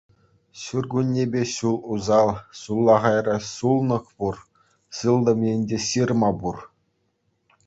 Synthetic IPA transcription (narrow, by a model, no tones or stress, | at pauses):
ɕurɡunʲːebʲeɕulˠuzɑlˠɕulˠːɑʁɑjrɑsulˠnɤ̆χpur | sɯlˠd̪ɤ̆menʲdʲeɕɯrmɑbur